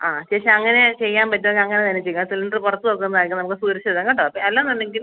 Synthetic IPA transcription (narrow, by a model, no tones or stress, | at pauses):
aːt͡ɕeʂiɐŋːɐne̞t͡ɕe̞jːaːmpɐtːuɐkːɐŋːɐnet̪ɐnːet͡ɕejːuasilɳɖrɨpurɐt̪ːuðokːunːɐðaːjikʲːumnɐmukːɨsuːɾɐt͡ɕːɐðɐŋːɐɳɖoɐpːoɐlːanːɐɳːeŋɡil